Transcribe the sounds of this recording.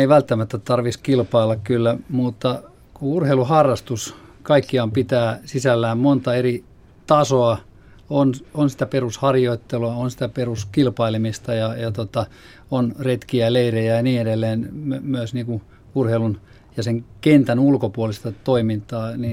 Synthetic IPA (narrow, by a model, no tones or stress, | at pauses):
eiʋælt̪ːæmæt̪ːæt̪ɑrʋiskilpɑilːɑkkylːæmut̪ːɑ | kuurheiluhɑrːɑst̪uskɑikːiɑmpit̪æːsisælːæːmmont̪ɑeri | t̪ɑsoɑ | ononsi̥t̪æperushɑrjoit̪ːeluɑonsi̥t̪æperuskilpɑilimist̪ɑjɑjɑt̪ot̪ɑ | onret̪kiæleirejæɑniːedelːeːnmømyøsniːŋku | urheilun | jɑseŋkent̪ænulkopuolist̪ɑt̪oimint̪ɑːni